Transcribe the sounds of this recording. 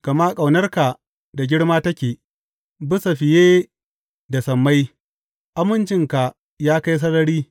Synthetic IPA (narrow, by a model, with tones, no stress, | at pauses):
ka˨maː˦kʼa˨wnɐ˦rka˨ | da˨ɡʲɪ˦ɽmaː˦tɐ˦kʲeː˨ | bɪ˦sa˨ɸɪ˨jeː˦ | da˨sɐ˨mːa˦j | ʔa˦mʊ˦nt͡ʃɪ˦ŋka˨ | jaː˦ka˦js̬ɐ˦nɐ˦ɽiː˦